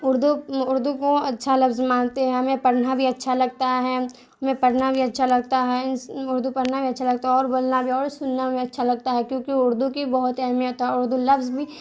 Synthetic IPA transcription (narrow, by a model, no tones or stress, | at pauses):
ʊɾd̪uʊɾd̪ukoɐtːʃʰalɐbzmãːnt̪eɦɛ̃mẽpɐɽnabʱiɐtːʃʰalɐɡ̚t̪aɦɛ | mẽpɐɽnabʱiɐtːʃʰalɐɡ̚t̪aɦɛʊɾd̪upɐɾnabʱiɐtːʃʰalɐɡ̚t̪aɦɛɔːɾboːlnabʱiɔːɾsʊnːabʱiɐtːʃʰalɐɡ̚t̪aɦɛkjõːkiʊɾd̪ukibɐɦʊt̪ɛɦmiɦot̪aɦɛʊɾd̪ulɐfzbʱi